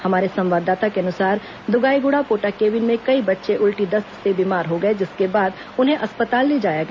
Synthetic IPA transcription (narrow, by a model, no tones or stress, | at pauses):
hɐmaːɾesɐ̃mʋaːd̪aːt̪akeɐnʊsaːɾ | d̪ʊɡaːiɡʊɽapoːʈakeːʋɪnmẽkɐibɐtːʃeʔʊlʈid̪ɐst̪sebiːmaːɾɦoɡɐed͡ʒɪskebaːd̪ | ʊnɦẽʔɐspət̪aːlːid͡ʒaːjaɡɐ